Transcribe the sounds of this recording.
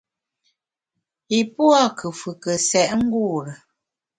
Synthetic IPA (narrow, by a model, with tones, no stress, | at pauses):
i˨pwa˦˨kʰə˨fɨ˨kə˨sɛ˨ʔŋ̩˦ɡu˦˨ɾə˨